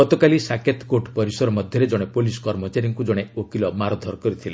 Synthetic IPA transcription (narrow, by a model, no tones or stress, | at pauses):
ɔt̪ɔkalisaket̪koʈpɔɾisɔɾɔmɔd̪ʱjɔɾed͡ʒɔɽ̃epolisɔ̥kɔɾmɔt͡ʃaɾijɔŋkud͡ʒɔɽ̃eokilɔmaɾɔd̪ʱɔɾɔkɔɾit̪ʰile